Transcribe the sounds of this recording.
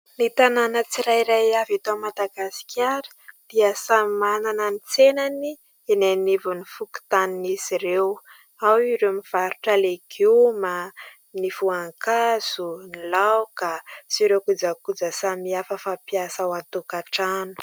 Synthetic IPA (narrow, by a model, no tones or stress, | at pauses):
nit̪ananət͡siɾajɾajavat̪oamad̪aɡasi̥kʲʰaɾi̥d̪̥iəsamimanananit͡senani | enenivunifuku̥t̪aninisiɾew | awiɾemiv̥aɾuʈ͡ʂalekʰiwma | nifuaŋkaz̥unilawkasiɾewkud͡zakud͡zəsamiafəfapijasawat̪ukaʈ͡ʂanu̥